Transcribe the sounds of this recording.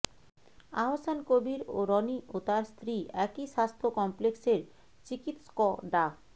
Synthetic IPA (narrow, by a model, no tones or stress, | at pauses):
aɦosankobiɾoɾɔniʔot̪aɾst̪ʰɾiʔɛkiʃast̪ʰokɔmplekseɾ | t͡ɕikit̪skɔɖa